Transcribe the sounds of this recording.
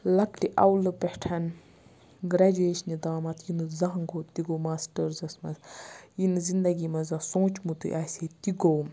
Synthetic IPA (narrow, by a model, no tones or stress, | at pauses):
lɐkʈiʔɐwlɨpehʈʰɐn | ɡɾɐd͡ʒeːʃnid̪aːmɐt̪ʰjinɨzɐɦɐŋɡoːt̪iɡowmaːsʈəɾzɐsmɐ̰zjinɨzind̪ɐɡʲimɐzɐsõːt͡ʃmut̪ṵʔaset̪iɡow